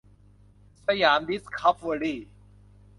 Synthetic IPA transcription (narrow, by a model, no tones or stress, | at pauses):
sɐjaːnd̪iskʰɐpʰʋəɽiː